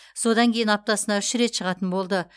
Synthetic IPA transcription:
so̞d̪ɑŋkʲʰe̞jɪnɑp̚t̪ɑsənɑʏʃɾe̞t̪ʃəʁɑt̪ənbo̞lˠd̪ə

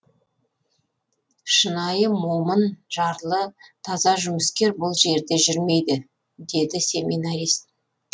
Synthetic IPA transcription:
ʃənɑjəmo̞mənʒɑɾlˠət̪ʰɑzɑʒʏməskʲe̞ɾbʊlˠʒe̞ɾd̪e̞ʒʏɾme̞jd̪ɪ | d̪e̞d̪ɪse̞minɑɾist̪̚

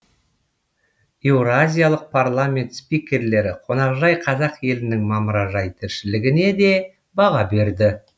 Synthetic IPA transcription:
ewɾazʲijalˠəq̚pʰarlˠamʲe̞nt̪spʲikʲe̞ɾle̞ɾɪqʰo̞nɑʁʒɑjqʰɑzɑqje̞lɪnɪŋmɑməɾɑʒɑjt̪ʰɪɾʃɪlɪɡʲɪne̞d̪e̞ | bɑʁɑbe̞ɾd̪ɪ

